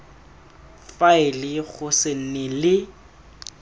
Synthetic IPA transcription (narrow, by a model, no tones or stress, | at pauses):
faɪlɪɣʊsɪn̩nɪlɪ